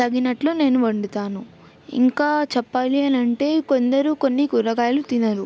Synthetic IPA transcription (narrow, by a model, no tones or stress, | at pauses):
t̪ɐɡinɐʈloːne̞ːnuʋɐɳɖut̪aːnu | ḭŋkaːt͡ʃɛpːaːliɐnɐɳʈe̞ːko̞nd̪ɐɾukonːikuɾɐɡaːɐlut̪inɐɾu